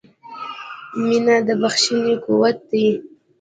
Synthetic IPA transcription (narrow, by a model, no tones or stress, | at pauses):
minad̪əbaxʃinekuwat̪̚ːai